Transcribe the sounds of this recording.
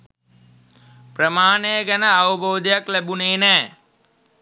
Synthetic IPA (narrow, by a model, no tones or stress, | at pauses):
prəmaːnejəɡænəaʋəboːd̪ijaklæbuneːnæː